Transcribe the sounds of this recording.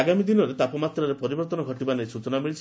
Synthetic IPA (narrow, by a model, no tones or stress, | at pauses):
aɡamid̪inɔɾet̪apɔmat̪ɾaɾepɔɾibɔɾt̪ɔnɔɡʱɔʈibanejsut͡ʃɔnamiɭit͡ʃʰ